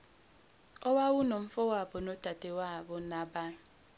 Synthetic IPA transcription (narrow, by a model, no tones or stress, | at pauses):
owawʊnom̩fowabonotatewabʊnabaŋ̩